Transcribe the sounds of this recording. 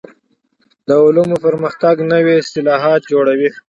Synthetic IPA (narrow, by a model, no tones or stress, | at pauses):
d̪əʊlumopəɾməxt̪aɡnəwiɪst̪ɪlɑɦɑt̪̚d͡ʒoɽawi